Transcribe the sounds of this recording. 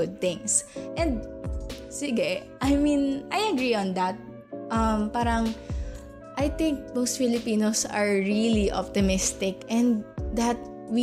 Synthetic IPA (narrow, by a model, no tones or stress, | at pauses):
ʊd̪̚t̪ɪ̃ŋsʔɛ̃nd̪̚ | sɪɡɛʔajmĩnʔajɐɡɹiɔ̃nd̪ɐt̪̚ | ʔɐmpaːɾɐŋ | ʔajt̪ɪ̃ŋk̚bowst̪̚fɪlɪpiːnosɐ̰ɹɹiliʔɔ̰p̚t̪ɪmɪst̪ɪkʔɛ̃nd̪̚d̪ɐt̪̚ | wi